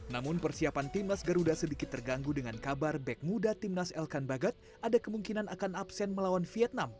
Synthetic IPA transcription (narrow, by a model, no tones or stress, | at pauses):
namʊnpərsiapant̪imnasɡəɾudasədikɪt̪ːərɡaŋɡudəŋankabarbɛk̚mudat̪imnasɛlkanbaɡat̪̚ | adakəmuŋkinanakanapsɛnməlawanfiɛt̪̚nam